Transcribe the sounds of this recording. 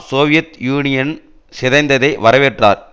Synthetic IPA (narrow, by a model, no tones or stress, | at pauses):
soːʋɪjɐt̪juːnɪjɐn | sɪðɐɪnd̪ɐðɐɪʋɐɾɐʋeːʈra̰ːɾ